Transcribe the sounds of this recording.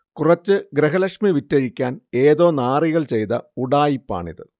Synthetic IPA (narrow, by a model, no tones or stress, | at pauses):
kurɐt͡ɕːɨɡɾeɦɐlɐkʂmiʋitːɐɻikʲːaːne̞ːðo̞ːnaːriɣɐɭt͡ɕe̞jt̪ɐuɽaːjipːa̰ːɳḭðɨ̰